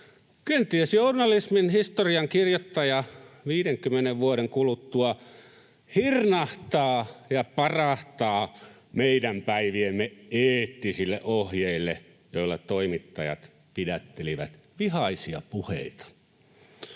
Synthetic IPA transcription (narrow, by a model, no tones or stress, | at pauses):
kønt̪ˑiesjournɑlisminhist̪oriɑŋkirjot̪ːɑjɑʋiːɾeŋkymːeneʋʋuoɾeŋkulut̪ːuɑ | hirnɑht̪ɑːjɑpɑrɑht̪ɑː | meidæmpæiʋiemːeeːt̪ːisilːḛʔohjeilːe | joilːɑtt̪oimit̪ːɑjɑ̰t̪ | pidæt̪ːeliʋæ̰t̪ʋihɑisiɑ̰puhḛit̪ɑ̥